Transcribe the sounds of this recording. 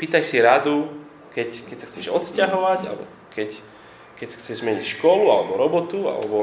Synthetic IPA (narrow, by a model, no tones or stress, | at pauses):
piːt̪ajsiɾad̪u | kɛckɛcsaxt͡sɛʒɔt̪scaɦɔʋaɟa̰lɛbɔ̰ | kɛc | kɛcsḁxt͡sɛʒzmɛɲicʃkɔlualɛbɔɾɔbɔt̪ua̰lɛ̰bɔ